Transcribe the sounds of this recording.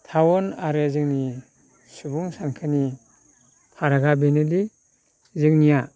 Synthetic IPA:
tʰawɔnaɾɯzɯŋni | subuŋsankʰɯni | pʰaɾaɡabenɯdi | zɯŋnija

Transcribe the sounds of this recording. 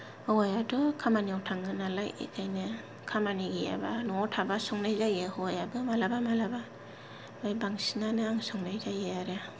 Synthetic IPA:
hɔwajadɔkʰamaniawtʰaŋɯnalajḛkʰajnɯ | kʰamaniɡija̰banɔɔtʰabasɔŋnajzajɯhɔjabɯmalabamalaba | majbaŋsiŋanɯaŋsɔŋnajzajeaɾe

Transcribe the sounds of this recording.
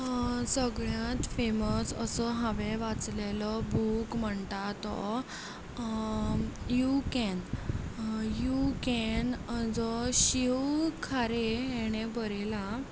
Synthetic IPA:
səɡɭjãt̪feməsəsɔɦaʋeʋat͡slelɔbukm̤əɳt̪at̪ɔ | jukɛn | jukɛnd͡zɔɕiwkʰaɾeɦeɽ̃ebəɾela

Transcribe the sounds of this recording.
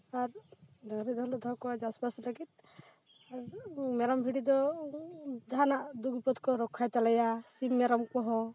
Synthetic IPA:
aɾd̪ɔɾid̪ɔld̪ɔd̪ʱɔkɔad͡ʒasbasləɡit̪̚ | aɾmɛɾambʱiɽid̪ɔ | d͡ʒaɦanaʔd̪ukipɔt̪kɔɾɔkʰːajt̪alajasimːɛɾamkɔɦɔ̃

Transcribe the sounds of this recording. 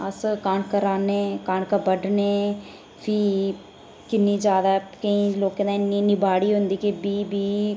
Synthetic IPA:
əskaːɳkəɾaːneːkaːɳkəbəɖneː | pʰiː | kɪnːiːd͡ʒaːd̪aɛkəĩːloːkenãːɪnːiːnɪbaːɽiːɦʊ̃nd̪iːkebiːbiː

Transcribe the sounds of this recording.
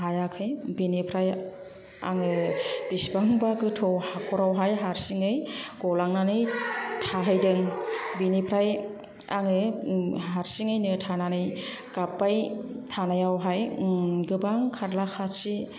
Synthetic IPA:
ɦajakʰɯjbinipʰɾaj | a̰ŋɯb̥isbaŋbaɡɯtʰɔwhakʰɔɾawɦajɦaɾsiŋɯjɡɔlaŋnanɯjtʰaɦajdɯŋbinipʰɾaj | a̰ŋɯɦaɾsiŋɯjnɯtʰananɯj | ɡ̥apːajtʰanajawɦajɡɯbaŋkʰaɾlakʰaɾsi

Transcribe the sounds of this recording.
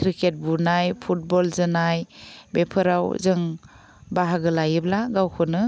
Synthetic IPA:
kʰɾiket̚bunajpʰut̚bɔlzɯnajbepʰɯɾawzɯŋ | baɦaɡɯlajɯblaɡawkʰɯnɯ

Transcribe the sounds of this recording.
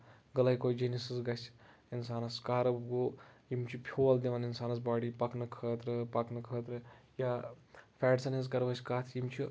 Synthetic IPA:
ɡɐlɐikoːd͡ʒinisisɡɐsʲ | insaːnɐskaːɾɐbɡoːjimt͡ʃʰipʲʰoːɐld̪iʋɐninsaːnɐs̬baːɽipɐknɨkʰəːt̪ɾɨpɐknɨkʰəːt̪ɾɨjapʰʲɛːʈsɐniz̬kɐɾbɐsʲkaːt̪ʰjimt͡ʃʰi

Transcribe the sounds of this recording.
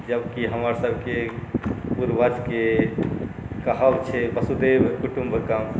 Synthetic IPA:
d͡ʒəbkiɦəməɾsəbʱke | puɾbʱəd͡ʒke | kəɦəbt͡ʃʰɛbəsud̪ebkuʈumbʱəkam

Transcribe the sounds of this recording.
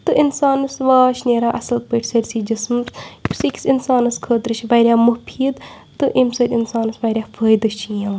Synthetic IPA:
t̪ɨʔinsaːnɐsʋaːʃnʲeːɾaːʔɐsɐlpəːʈʰʲsɐɾʲsiːd͡ʒismspsikʲsinsaːnɐskʰəːt̪ɾɨt͡ʃʰiʋaːɾʲjaːmupʰiːd̪ | t̪ɨʔimsɐɾʲɪnsaːnɨsʋaːɾʲaːfʰəːjd̪ɐʃt͡ʃʰːãː

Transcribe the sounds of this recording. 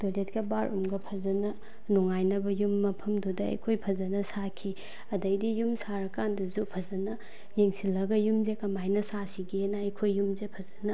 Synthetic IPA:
d̥oletkɐbaɾʔṵmɡɐpʰɐzɐnɐ | nuŋajnɐbɐjumːɐpʰɐmdudɐɐ̰jkʰojpʰɐzɐnɐsakʰi | ɐdɐjdijumsaɾɐkandɐzupʰɐzɐnɐ | jeŋsilːɐɡɐjumzekɐmajnɐsasiɡenɐɐjkʰojːumzepʰɐzɐnɐ

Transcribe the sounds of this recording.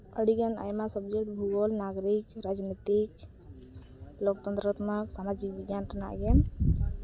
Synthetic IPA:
əɽiɡəna̰jmasəbd͡ʒekʈbʱuɡɔlnaɡɾikɾad͡ʒnit̪ik | lokt̪ənt̪ɾət̪məksamad͡ʒik̚biɡjanʈənaɡen

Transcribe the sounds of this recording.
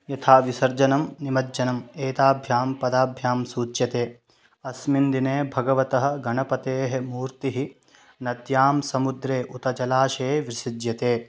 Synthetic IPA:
jɐt̪ʰaːʋisɐɾd͡ʒɐnɐmnimɐdd͡ʒɐnɐmeːt̪aːbʱjaːmpɐd̪aːbʱjaːmsuːt͡ʃjɐt̪eː | ɐsmind̪ineːbʱɐɡɐʋɐt̪ɐɦɐ̆ɡɐɳɐpɐt̪eːɦemuːɾt̪iɦi | nɐd̪jaːmsɐmud̪ɾeːʔut̪ɐt͡ʃɐlaːʃeːʋɾɪʃid̪jɐt̪eː

